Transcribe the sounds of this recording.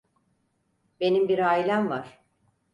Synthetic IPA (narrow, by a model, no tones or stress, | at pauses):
be̞nimbiɾaːilʲæmvaɾ̥